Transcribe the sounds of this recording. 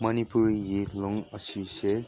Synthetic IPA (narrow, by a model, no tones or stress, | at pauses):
mɐnipuɾɡiloŋəsise